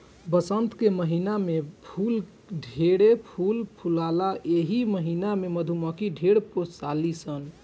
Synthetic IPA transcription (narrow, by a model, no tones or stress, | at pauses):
bəsənt̪keməɦinamepʰul | ɖʱeɽepʰulpʰulalaʔeɦiməɦinameməd̪ʱuməkiɖʱeɽposalisən